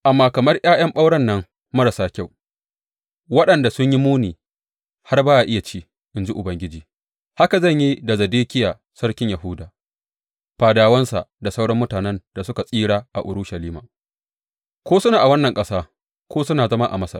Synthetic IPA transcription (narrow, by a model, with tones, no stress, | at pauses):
ʔa˨mːaː˨kɐ˨mɐ˦rj̰aː˦jɐ˦mɓa˦wɽɐ˦nːɐ˦ŋ | mɐ˦ɽɐ˨saː˦kʲa˦˨w | wɐ˦ɗɐ˨nda˨sʊ˦ɲji˦muː˦niː˨ | ha˦rbaː˦ʔa˨ʔɪ˦ja˨t͡ʃiː˦ | ʔɪ˨nd͡ʒi˦ʔʊ˨bɐ˦ŋɡʲɪ˦d͡ʒiː˨ | ha˦ka˨zɐ˦˨ɲji˦da˨zɐ˨deː˦kʲɪ˦jaː˨ | sɐ˦ɽkʲɪ˦ɲja˨ɦʊ˦daː˨ | ɸaː˨daː˨wɐ˦nsa̰˨da˨sa˦wɽɐ˦mːʊ˦taː˨nɛ˦nda˨sʊ˦ka˨sʼiː˦ɽaː˦ʔa̰˨ʔʊ˨ɽʊ˦ʃɐ˨liː˦maː˨ | kʷoː˦sʊ˦naː˨ʔa˨wɐ˦nːɐ˨ŋkʼɐ˦saː˦ | kʷoː˦sʊ˦naː˨zɐ˦ma˦ʔa̰˨mɐ˦sɐ̰˨r